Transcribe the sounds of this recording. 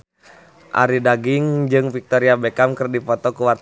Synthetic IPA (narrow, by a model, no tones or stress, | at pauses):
ʔa̰ɾidaɡiŋd͡ʒɨŋfik̚t̪ɔɾiabɛkamkɨrdipɔt̪ɔkuwart̪